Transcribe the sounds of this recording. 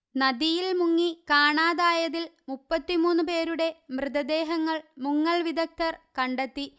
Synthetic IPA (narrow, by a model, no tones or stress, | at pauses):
nɐd̪ijilmuŋːikaːɳaːðaːjɐðilmupːɐt̪ːimuːnːupe̞ːɾuɽe̞mrɨðɐd̪e̞ːɦɐŋːɐɭmuŋːɐɭʋid̪ɐk̚t̪ɐrkɐɳɖet̪ːi